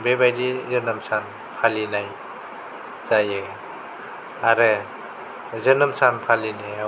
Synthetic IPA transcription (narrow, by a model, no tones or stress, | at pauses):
bebajdizɯnɯmsan | pʰalinaj | zajɯ | aɾɯ | zɯnɯmsanpʰalinea